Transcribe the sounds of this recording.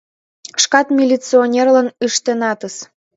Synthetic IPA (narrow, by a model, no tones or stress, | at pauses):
ʃkɑt̪mʲilʲit͡sionʲerlɑnyʃt̪enɑt̪əs